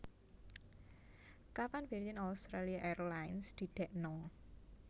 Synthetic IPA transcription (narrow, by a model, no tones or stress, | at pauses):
kapanvɛɾd͡ʒənast̪ɾaliaʔɛrlajnsd̪̥i̤ɖ̥ɛʔnɔ